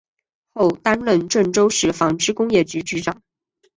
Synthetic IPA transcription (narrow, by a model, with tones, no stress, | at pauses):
xo˥˧ʊt̪a˥nlə˥˧nʈ͡ʂə˥˩nʈ͡ʂo˥ʊʂɻ̩˥˩fɑ˧˥ŋʈ͡ʂɻ̩˥kʊ˥ŋjɛ˥˩t͡ɕy˧˥t͡ɕy˧˥ʈ͡ʂɑ˨˩˦ŋ